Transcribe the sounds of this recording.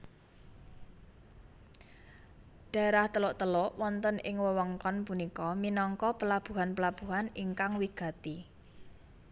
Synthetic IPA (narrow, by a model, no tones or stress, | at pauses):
ɖ̥a̤eɾaht̪əlʊʔt̪əloʔwɔnt̪ənʔɪŋwəwəŋkɔnpunikɔminɔŋkɔpəlab̥ṳɦanpəlab̥ṳɦaniŋkaŋwiɡ̥a̤t̪i